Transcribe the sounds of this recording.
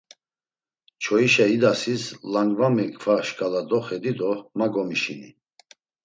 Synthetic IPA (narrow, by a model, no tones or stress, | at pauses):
t͡ʃʰɔiʃaid̪asislaŋɡvamɛkʰvaʃkʼalad̪ɔχɛd̪id̪ɔmaɡɔmiʃḭnḭ